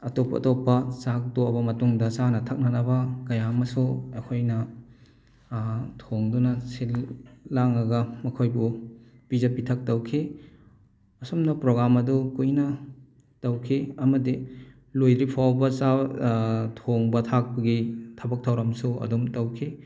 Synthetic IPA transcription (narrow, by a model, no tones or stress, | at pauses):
ɐtopːɐ̰topːɐsak̚toɐbɐmɐtuŋdɐt͡ʃanɐtʰɐk̚nɐnɐbɐkɐjamɐsuɐkʰojnɐ | tʰoŋdunɐsilːaŋɐɡɐmɐkʰojbu | pizɐpitʰɐk̚tɐwkʰi | ɐsumnɐpɾoɡɾamɐdukujnɐ | tɐwkʰiɐmɐdi | lojdɾipʰawbɐt͡ʃa | tʰoŋbɐtʰak̚pɐɡitʰɐbɐk̚tʰɐwɾɐmsuɐ̰dumtɐwkʰi